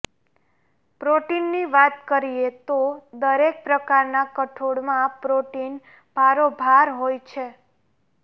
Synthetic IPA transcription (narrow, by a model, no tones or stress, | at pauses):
pɾoʈinːiʋat̪kəɾiet̪od̪əɾek̚pɾəkaɾnakəʈʰoɽmãpɾoʈin | bʱaɾobʱaɾɦojt͡ʃʰe